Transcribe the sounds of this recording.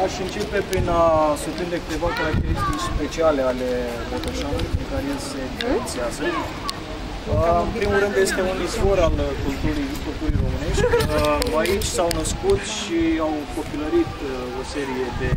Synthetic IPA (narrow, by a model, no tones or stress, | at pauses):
aʃɨnt͡ʃe̞pe̞pɾinasupɾind̪e̞kɨt̪e̞vakaɾak̚t̪e̞ɾist̪it͡ʃspe̞t͡ʃiale̞ale̞pot̪oʃameɾpɾiŋkaɾeelse̞d̪ifɾent̪siazə | ɨmpɾimulɾɨnd̪je̞st̪e̞unizvo̞ɾalkult̪uɾijspɾot̪uɾijɾo̞mɨne̞ʃt̪ʲəait͡ʃʲsawnəskut̪ʃiawko̞piləɾit̪ | o̞se̞ɾije̞d̪e̞